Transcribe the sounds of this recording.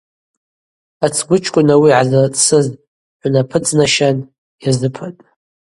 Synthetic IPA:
at͡sʰɡʷʊt͡ʃʰkʷʼʊnawiʕazat͡sʼsɨz | ħʷnapʰɨt͡sʼnaʃan | jazɨpʰatʼ

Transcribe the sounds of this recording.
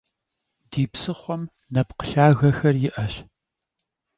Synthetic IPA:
diːpsɨχʷɔm | nɐpqə̥ɬaːɣɐxɐrjɪʔɐɕ

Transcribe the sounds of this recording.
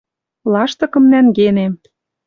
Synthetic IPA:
lˠɑʃt̪ɤ̆kɤ̆mnænɡene

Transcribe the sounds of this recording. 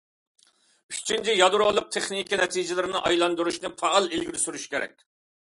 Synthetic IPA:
y̥t͡ʃʰint͡ʃʰijɑd̪uɾolˠʊq̚t̪ʰeχnikʲinɛt̪ʰid͡ʒɪlɪɾɪnɪʔɑjlˠɑnd̪uɾuʃnɨpʰɑːlˠelɡʲiɾsyɾyʃkʲʰeɾɛ̰kʲ

